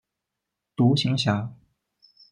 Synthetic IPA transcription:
t̪u˧˥ɕi˧˥ŋɕja˧˥

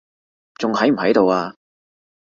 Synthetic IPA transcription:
t͡sʊ˨ŋhɐ˨˥jm̩˨˩ɦɐ˨˥jt̪o˨waː˧

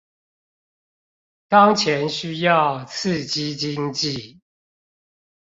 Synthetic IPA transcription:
t̪ɑ˦˥ŋt͡ɕʰjɛ˨˦nɕy˥jɑ˥˨ʊt͡sʰɹ̩˥˨t͡ɕi˦˥t͡ɕi˦ŋt͡ɕi˥˨

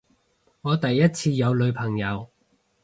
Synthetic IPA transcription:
ŋɔː˨˧t̪ɐ˨jːɐ˥t̚t͡sʰiː˧jɐ˨˧wlɵ˨˧ɥpʰɐ˨˩ŋjɐ˨˧w

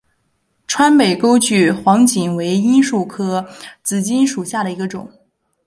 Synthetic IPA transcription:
ʈ͡ʂʰwa˥npe˨˩ɪko˥ʊt͡ɕy˥˩xwɑ˧˥ŋt͡ɕi˨˩nwe˧˥ɪi˥nʂu˥˩kʰɤ˥t͡sɹ̩˨˩t͡ɕi˥nʂu˨˩ɕja˥˩ɾə˩i˧˥ɡə˧ʈ͡ʂʊ̰˨˩˦ŋ

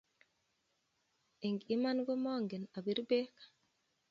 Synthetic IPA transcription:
e˨ŋɡi˦ma˦nɡo˦mɔ˦ŋɡe˨na˨bi˨˦ɾbe˦kḁ˨

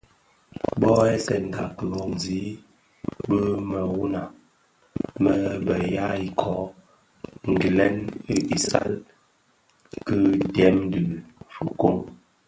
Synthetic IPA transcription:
bɔ˦ɛ˦sɛ˨n̩˨da˨kə˨ɣɔ˨zi˨˦ | bə˦mə˨wu˦na˨ | mə˦bə˨ja˦i˨kʰɔ˨˦ | ŋ̩˨ɡi˨lɛ˦ni˦ʔi˨sa̰˦l | kɨ˦tɛ˦m˦də˨fu˨ko˦˨ŋ

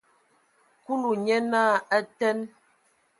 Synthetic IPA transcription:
ku˦lu˨ɲɛ˦na˦˨a˦tɛ˦n

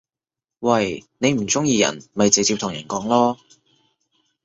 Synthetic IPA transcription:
wɐ˨˧jne˨˧jm̩˨˩t͡sʊ˥ŋjiː˧jɐ̰˨˩nmɐ˨jt͡si˨t͡siː˧pt̪ʰʊ˨˩jɐ̰˨˩nkɔː˨˥ŋlɔː˥

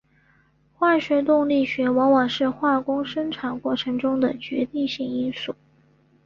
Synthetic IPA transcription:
xwa˥˩ɕɥɛ˧˥t̪ʊ˥˧ŋli˥˩ɕɥɛ˧˥wɑ˧˥ŋwɑ˨˩ŋʂɻ̩˥˧xwa˥˩kʊ˥ŋʂə˥ŋʈ͡ʂʰa˨˩nkwɔ˥˩ʈ͡ʂʰɤ˧˥ŋʈ͡ʂʊ˥ŋd̪ə˨t͡ɕɥɛ˧˥t̪i˥˧ŋɕi˥˩ŋi˥nsu˥˩

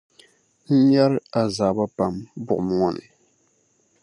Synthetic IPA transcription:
n̩˦ɲa˦ɾɨ˦a˨zaː˨ba˦pa˨mbʊ˨ʔʊ˨m˦˨ŋɔ˦nɨ̰˨

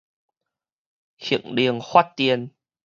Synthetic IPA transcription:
xḭ˨˧˩əŋɗi˧˩əŋxwa˦˥t̚t̪i˧ən

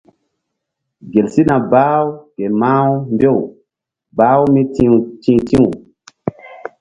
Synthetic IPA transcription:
ɡe˨lsi˦nã˨baː˦wu˦ɡe˨ma˦wu˦mbe˦˨w | baː˦wu˦mi˦tĩ˦tĩ˦wu˨

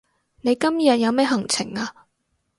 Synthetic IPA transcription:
ne˨˧jkɐ˥mjɐ˨t̚jɐ˨˧wmɛː˥ɦɐ˨˩ŋt͡sʰɪ˨˩ŋaː˧

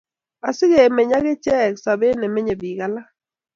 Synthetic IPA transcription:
a˨sɪ˦ɡe˨mɛ˨ɲa˦ɡɪ˦t͡ʃɛ˦˨ksa˨be˦nɛ˨mɛ˦ɲe˨bi˨ɡa˨la˦

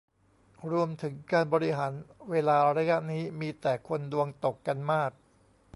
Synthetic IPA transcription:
ɾu˧əmt̪ʰɯ˩˦ŋkaː˧nbɔː˧ɾi˦˥ɦaː˩˦nweː˧laː˧ɾa˧ja˦˥ʔniː˦˥miː˧t̪ɛː˨˩kʰo˧ndu˧əŋt̪o˨˩kːa˧nmaː˥˩k̚

